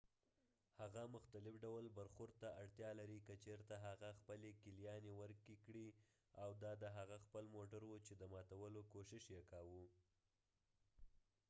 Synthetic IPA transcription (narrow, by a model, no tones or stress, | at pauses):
haɣamʊxt̪alɪfɖawlbaɾxʊɾd̪̚t̪aaɽt̪jɑlaɾikət͡ʃeɾt̪aɦaɣaxpəlekɪljɑnewəɾkikɽi | awd̪ɑd̪əɦaɣaxpəlmoʈaɾwut͡ʃed̪əmɑt̪awəlokoʃɪʃjekɑwu